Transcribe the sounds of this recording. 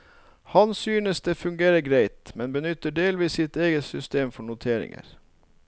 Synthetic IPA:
hɑnsyːnəsd̪eːfʉŋɡeːɾəɡɾæɪt̪mɛnbənʏt̪ːəɖeːlʋiːsɪt̪eːɡəsʏst̪eːmfɔɳʊt̪ʰeːɾɪ̰ŋə̰ɾ

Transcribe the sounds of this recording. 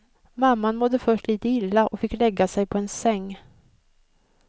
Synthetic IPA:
mamːanmɔd̪ːəfœʂʈliːt̪əɪlːaʔɔfɪkːlɛɡːasɛjpʰɔɛnsɛŋː

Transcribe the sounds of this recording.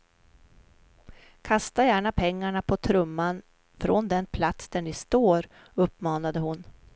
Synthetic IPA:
kʰast̪ajæːɳapʰɛŋːaɳapʰɔt̪ʰɾɵmːan | fɾɔnd̪ɛnpʰlat̪sd̪æɳɪst̪oːɾ | ɵpːmɑːnad̪əhʊn

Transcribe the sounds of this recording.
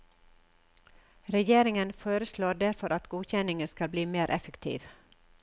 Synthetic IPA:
ɾɛjeːɾɪŋənfoːɾəsloːɖæɾfɔɾʔɑt̪ɡuːçɛnɪŋəskɑlbliːmeːɾʔɛfəkt̪ʰḭːʋ

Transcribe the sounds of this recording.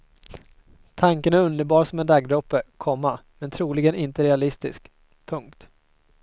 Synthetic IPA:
t̪ʰaŋkənæɾɵnd̪əɾbɑːɾasɔmɛnd̪aɡd̪ɾɔpːəkʰɔmːamɛnt̪ʰɾuːlɪɡənɪnt̪əɾɛalɪst̪ɪ̰sk | pʰɵŋkt̪

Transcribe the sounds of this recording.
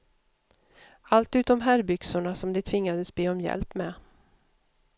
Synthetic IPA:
alt̪ʉ̟ːt̪ɔmɦæɾbʏksʊɳasɔmd̪ɛt̪ʰvɪŋːad̪əsbeːɔmjɛ̰lpmɛ

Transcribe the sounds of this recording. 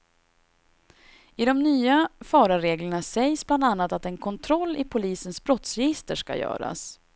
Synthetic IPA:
ɪd̪ɔmnyːafɑːɾaɾeːɡləɳasɛjsbland̪anːat̪at̪ɛnkʰɔnt̪ʰɾɔlːɪpʰʊliːsənsbɾɔt̪sɾɛjɪst̪əʂka̰jœ̰ːɾa̰s

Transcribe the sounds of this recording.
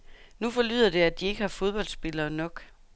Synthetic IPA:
nufɒ̽ly̰ðˠɐd̥e̝æd̥ie̝ɡ̥əhɑ̈fo̝ð̞ˠb̥ɒ̽l̰dsb̥e̝lɐːnɒ̽ɡ̥

